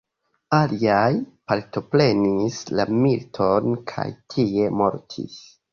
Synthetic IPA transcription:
aliajpaɾto̞pɾe̞nislamiltʰo̞nkʰa̰jtʰie̞mo̞ɾtʰḭs

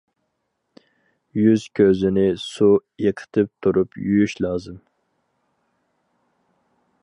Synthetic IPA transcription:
jyz̥kʲʰøzɪnɪsujeqʰə̥t̪ʰɨp̚t̪ʰuɾupʰjyjyʃlɑːzɨm

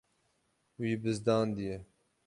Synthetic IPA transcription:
wiːbɨzd̪ɑːnd̪ijɛ

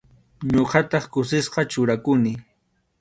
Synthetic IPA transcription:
ɲoɢɑt̪ɑχkʊsɪsqɑt͡ʃʊɾakʊnɪ

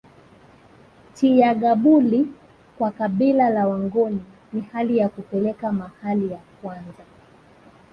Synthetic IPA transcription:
tijaɠaɓuli | kwakaɓilalawaŋɡɔni | nihalijakupɛlɛkamahalijakwanza

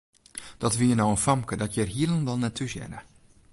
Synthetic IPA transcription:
d̥ɔtʋijənɔwənfɑmkədɔtjərɦiəlˠənʋɛlˠnɛtʰusjɛ̰nə

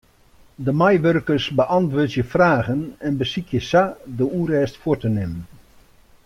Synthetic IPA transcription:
dəmajʋørkərsbəʔɑntʋʊːtjəfraːɣənɛnbəsikʰjəsadəuːrɛːstfotənɪmən

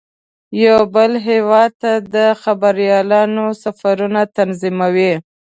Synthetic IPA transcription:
jawbəlɦewɑd̪̚t̪ad̪əxabaɾjɑlɑnosafaɾunat̪anzimawi

